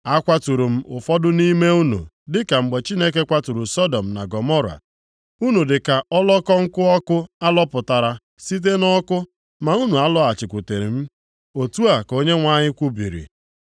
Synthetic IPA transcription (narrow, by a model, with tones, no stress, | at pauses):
a˦kʷa˦tu˨ɾu˨m̩˦ʔʊ˨fɔ˦dʊ˦ni˦me˦u˦nṵ˨ | dɪ˦ka˨ŋ͡m̩˨ɡ͡be˨t͡ʃi˦ne˦k̬e˦kʷa˦tu˨ɾu˨sɔ˦dɔ˨m̩˨na˨ɡɔ˨mɔ˦ɾa̰˨ | u˦nu˨dɪ˨ka˨ɔ˦lɔ˦kɔ˦ŋ̩˦kʊ˦ɔ˦kʊ˦a˦lɔ˦pʊ˨ta˨ɾa˨ | si˦t̬e˦nɔ˦kʊ˦ | ma˨u˦nu˨a˦lɔ˦a˨t͡ʃɪ˨kʷu˨te˨ɾi˨m̩˦ | o˨tu˦a˨ko˦ɲe˦ŋʷa˦ɲɪ˦kʷu˦bḭ˨ɾḭ˨